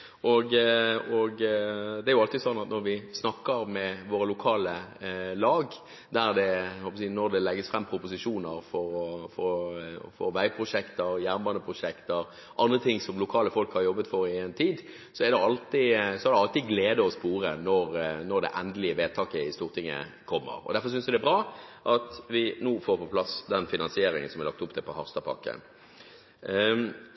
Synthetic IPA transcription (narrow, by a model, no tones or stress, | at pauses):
ʔɔɡɔɡd̪ɛæɾjʊɑlt̪ɪsɔnːɑt̪nɔɾʋɪsnɑkːəɾmɛʋoːɾəlʊkʰɑːləlɑːɡ | d̪æʁd̪ɛhɔlpːsiːnɔɾd̪ɛlɛɡːəsfɾɛmːpʰɾʊpʊsɪʂuːnəɾfɔɾɔfɔfɔʋæɪpʰɾʊʂɛkt̪əɾjæːɾmbɑnd̪əpʰɾʊʂɛkt̪əɾ | ʔɑnd̪ʁət̪ʰɪŋsɔmlʊkʰɑːləfɔlkhɑɾjɔbːət̪fɔɾɪɛnt̪ʰiːd̪ | sɔɛɾd̪ɛɑlt̪ɪsɔæɾd̪ɛɑlt̪ɪɡleːd̪əɔspuːɾənɔɾnɔɾd̪ɛ̰ʔɛnd̪əlɪəʋeːd̪̚t̪ʰɑːkəɪst̪uːʁt̪ʰɪŋːə̰kʰɔmːə̰ɾɔ̰d̪æɾfɔɾs̬ʏnsæd̪ɛbʁɑːʔɑt̪ʋɪnoːfoːɾpʰɔpʰlɑsd̪ɛnfɪnɑnsɪeːɾɪŋənsɔmɛʁlɑkt̪ʊpt̪ʰɛpʰɔhɑʁst̪ɑpʰɑ̰kːə̰